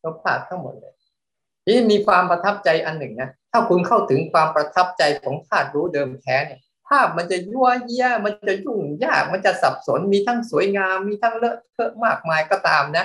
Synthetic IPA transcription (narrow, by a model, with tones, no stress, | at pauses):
jʰo˦˥pʰaː˥˩t̚t̪ʰa˥˩ŋmo̰˨˩t̪̚lɤ̰ː˧j | ʔeː˦˥miː˧kʰwaː˧mpɾa˧t̪ʰa˦˥p̚t͡ɕa˧jʔa˧nːɯ˨˩ŋna˦˥t̪ʰaː˥˩kʰu˧nkʰa˥˩wt̪ʰɯ˩˦ŋkʰwaː˧mpɾa˧t̪ʰa˦˥p̚t͡ɕa˧jkʰɔː˩˦ŋp̪ʰaː˥˩t̪̚ɾuː˦˥dɤː˧mt̪ʰɛː˦˥ni˥˩ɐ | pʰaː˥˩p̚ma˧nt͡ɕa˨˩ju˧˥˩ɐji˧˥ɐma˧nnt͡ɕa˨˩ju˥˩ŋjaː˥˩k̚ma˧nt͡ɕa˨˩sa˨˩p̚so˩˦nmiː˧t̪ʰa˦˥˩ŋsu˨˩˦əjŋaː˧mːiː˧t̪ʰa˥˩ŋlɤ˦˥˩kʰɤ˦˥ʔmaː˥˩k̚maː˧jkɔː˥˩t̪aː˧mna˦˥